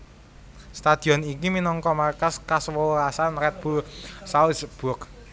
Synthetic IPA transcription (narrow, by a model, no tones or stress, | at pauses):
st̪ad̪̥i̤ɔnikiminɔŋkɔmarkaskaswəasanɾɛt̪̚b̥ṳsausəb̥ʊk